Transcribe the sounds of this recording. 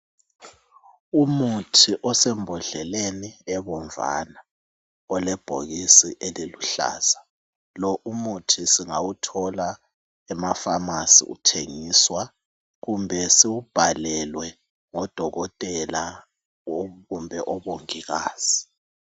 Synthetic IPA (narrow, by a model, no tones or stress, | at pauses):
umutʰiʔɔsɛmbʱɔɮɛleniɛβɔɱva̰na | ɔlɛb̥ʱo̰ɣisiʔeliluɬa̰ːz̥a | lɔʔumutʰisiŋawutʰɔla | ɛmafamasḭṵtʰeŋiːswa | ɣumbʱɛsiwub̥ʱalɛlwɛ | ŋɔd̥ʱɔɣɔtʼɛla | ɣumbʱɛʔɔβoŋiɣa̰ːz̥i